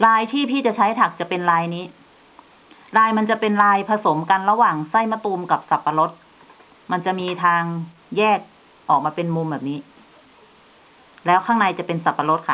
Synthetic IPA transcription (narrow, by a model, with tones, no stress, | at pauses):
ɾaː˧jt̪ʰiː˥˩pʰiː˥˩t͡ɕa˨˩t͡ɕʰa˦˥jt̪ʰa˨˩k̚t͡ɕa˨˩pe˧nlaː˧jniː˦˥ | ɾaː˧jma˧nt͡ɕa˨˩pe˧nlaː˧jpʰa˧so˩˦mka˧nɾa˧waː˨˩ŋsa˥˩jma˧˥˩t̪uː˧mka˨˩p̚sa˨˩pːa˧lo˦˥t̪̚ | ma˧nt͡ɕa˨˩miː˧t̪ʰaː˧ŋ | jɛː˥˩k̚ | ʔɔː˨˩k̚maː˧pe˧nmu˧mbɛː˨˩p̚niː˦˥ | lɛː˦˥wkʰaː˥˩ŋna˧jt͡ɕa˨˩pe˧nsa˨˩pːa˧lo˦˥t̪̚kʰa˦˥˩